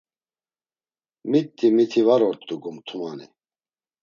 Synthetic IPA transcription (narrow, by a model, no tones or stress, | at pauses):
mit̪ːimit̪ʰivaɾɔɾt̪ʼːuɡumt̪ʰumanḭ